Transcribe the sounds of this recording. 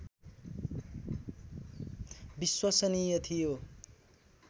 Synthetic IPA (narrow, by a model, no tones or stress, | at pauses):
biswʌsʌnijʌt̪ʰijo